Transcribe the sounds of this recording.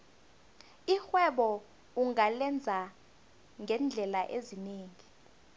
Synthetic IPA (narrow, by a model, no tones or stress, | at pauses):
ixwɛɓɔ | uŋalɛnd͡zʱa | ŋɡʱɛnd͡ɮʱɛlaʔezineːŋi